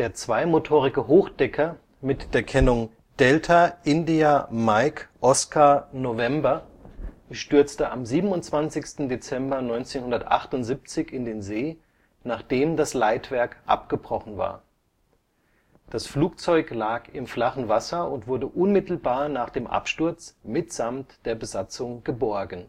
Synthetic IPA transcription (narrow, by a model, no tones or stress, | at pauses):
d̥eːɐt͡sv̥aɪmotʰoːʁɪɡəɦoːxd̥ɛkʰɐ | mɪtd̥eːɐkʰɛnʊŋ | d̥ɛltʰaʔɪndiamaɪkʔɔskʰaɐnovɛmbɐ | ʃtʏɐt͡stəʔamziːbm̩ʊntt͡sv̥ant͡sɪçstn̩det͡sɛmbɐnɔʏnt͡seːnhʊndɐtʔa̰χtʊntz̥ip̚t͡sɪçɪndeːnzeː | naːχd̥eːmdaslaɪtv̥ɛɐkʔa̰pɡ̥əbʁɔχn̩va̰ːɐ | d̥asfluːk̚t͡sɔʏklaːkɪmflaχn̩vasɐʊntv̥ʊɐdəʔʊnmɪtl̩baːɐnaːχd̥eːmʔa̰pʃtʊɐt͡smɪtz̥amtd̥eːɐbəzat͡sʊŋɡ̥əbɔɐɡən̩